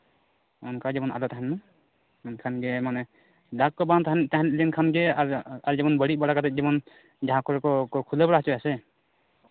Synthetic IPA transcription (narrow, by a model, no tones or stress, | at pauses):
ɔnkad͡ʒɛbɔna̰lɔtaɦanma | nkʰanɡɛmanɛ | dakːɔbant̪aɦant̪aɦanlinkʰanɡɛaɾd͡ʒɛbɔnbəɽibaɽakat̪ʰat̚d͡ʒibɔn | d͡ʒaɦãkɔɾkɔkɔkʰulebaɽaɦat͡ʃɔjasɛ